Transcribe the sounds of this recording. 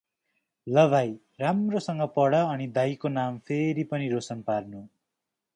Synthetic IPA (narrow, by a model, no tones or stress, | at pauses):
lʌβʱaj | ramrosʌŋɡʌpʌɽʌːnid̪ajkonampʰeɾipʌniɾosʌnparnu